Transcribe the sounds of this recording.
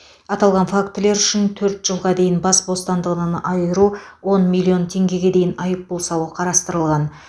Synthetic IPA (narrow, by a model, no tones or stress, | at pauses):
ɑt̪ɑlˠʁɑnfakt̪ːɪle̞ɾʏʃɪnt̪ʰɵɾt̪ʒ̥əlˠʁɑd̪e̞jɪnbɑsbo̞st̪ɑnd̪əʁənənʔɑjəɾuwo̞nmilʲːio̞nt̪ʰe̞ŋɡʲe̞ɡʲe̞d̪e̞jɪnɑjəp̚bolˠsɑwəqʰɑɾɑst̪əɾəlˠʁɑn